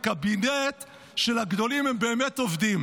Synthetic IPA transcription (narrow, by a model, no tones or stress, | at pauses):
kabinet̪ | ʃelaɡd̪o̞limembeːmet̪ovd̪im